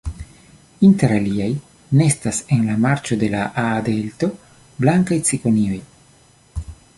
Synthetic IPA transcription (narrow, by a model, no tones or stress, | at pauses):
inte̞ɾaliaj | ne̞stase̞nlamaɾt͡ʃo̞de̞laʔaːd̪e̞lto̞ | blaŋkajt͡siko̞nio̞j